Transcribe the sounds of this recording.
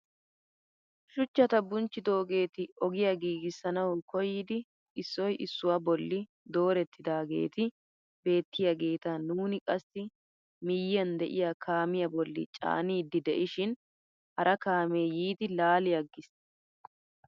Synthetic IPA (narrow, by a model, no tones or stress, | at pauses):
ʃʊt͡ʃːɐt̪ɐbʊnt͡ʃːɪd̪o̞ːɡe̞ːt̪ɪɔɡɪjɐɡiːɡɪsːɐnɐwkɔjɪd̪ɪ | ɪsːɔjʔɪsːʊwɐbɔlːɪ | d̪o̞ːɾɛt̪ʰːɪd̪aːɡe̞̰ːt̪ɪ | be̞ːt̪ːɪjɐɡe̞ːt̪ɐnuːnɪkʼɐsːɪ | mɪjːɐnd̪ɛʔɪjakʰaːmɪjɐbɔlːɪ̰t͡ʃʼa̰ːniːd̪ːɪd̪ɛʔɪʃɪn | hɐɾʔɐkaːme̞ːjiːd̪ɪlaːlɪjɐɡːɪs